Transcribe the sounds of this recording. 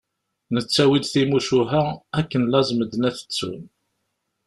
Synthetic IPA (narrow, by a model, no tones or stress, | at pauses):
nət͡sːæwid̪θimuʃuɦæækːənlæzməd̪ənæθə̥t͡sːṵm